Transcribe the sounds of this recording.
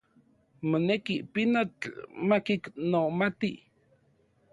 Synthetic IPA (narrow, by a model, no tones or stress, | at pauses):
monekipinot͡ɬmakiknomat̪i